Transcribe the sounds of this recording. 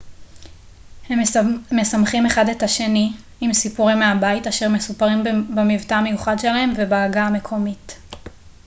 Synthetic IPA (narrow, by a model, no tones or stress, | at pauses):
hemmesamχime̞χade̞thaʃe̞niː | msipuʁimːeabaitaʃeʁmesupaʁimbemivtaːme̞juχadʃe̞lahe̞mvebaːɡaːme̞kʰo̞mit